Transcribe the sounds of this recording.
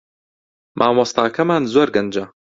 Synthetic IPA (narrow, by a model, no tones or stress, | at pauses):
mʔaːmwɐst̪aːkɐmaːnzoːɾɡɐnd͡ʒɐ